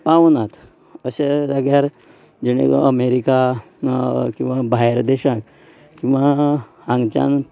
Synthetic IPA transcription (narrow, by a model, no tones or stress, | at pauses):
paʋnat̪ʰ | əɕelaɡjaɾ | d͡ʑeɽ̃ḛəmeɾika | kĩw̃ʋabajɾd̪eɕãk | kĩw̃ʋa | ãŋɡt͡ɕa̰n